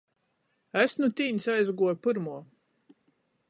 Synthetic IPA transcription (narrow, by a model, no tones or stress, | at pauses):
æsnut̪iːnʲsajzɡuɔjpɨɾmuɔ